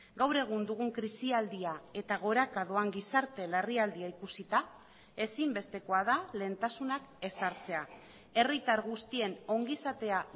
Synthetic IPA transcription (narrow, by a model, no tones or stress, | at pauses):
ɡawɾe̞ɣ̞und̪uɣ̞uŋkɾisiald̪iae̞t̪aɣ̞o̞ɾakaðoaŋɡisaɾt̪e̞leriald̪iaikusit̪a | e̞simbe̞st̪e̞ko̞að̞ale̞ːnt̪asunake̞saɾt͡se̞a | e̞rit̪aɾɣust̪ie̞no̞ŋɡisat̪e̞a